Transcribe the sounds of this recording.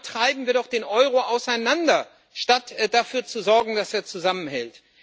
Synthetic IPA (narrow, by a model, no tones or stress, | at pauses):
tʁ̥aɪbm̩viːɐɾɔχd̥eːnʔɔʏʁoʔaʊsaɪnandɐ | ʃtatd̥afyːɐt͡suzɔɐɡŋ̩d̥aseːɐt͡suzamənhɛlt